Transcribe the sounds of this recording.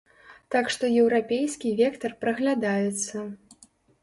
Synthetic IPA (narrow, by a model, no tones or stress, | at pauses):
t̪akʂt̪ɔjɛwɾapʲejskʲivʲɛkt̪ɐrpɾɐɣlʲad̪ajɛt̪sːɐ